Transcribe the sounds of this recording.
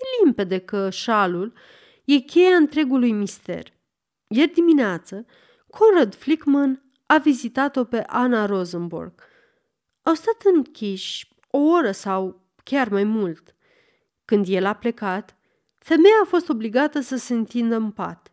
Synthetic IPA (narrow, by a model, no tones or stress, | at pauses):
jelimpe̞d̪ekəʃalul | je̞kʲe̞jaɨnt̪ɾe̞ɡulujmist̪e̞̰r | jerd̪imineat̪sə | kʰo̞nrad̪flikmən | avizit̪at̪o̞pe̞ʔanaɾo̞zɨnbṵrɡ̥ | awst̪at̪ɨŋkʲʰiʃʲ | o̞o̞ɾəsaw | kʲarmajmult̪ | kɨnd̪je̞laple̞kat̪ | fe̞mejaːfo̞st̪o̞bliɡat̪əsəse̞ɨnt̪ind̪əmpa̰t̪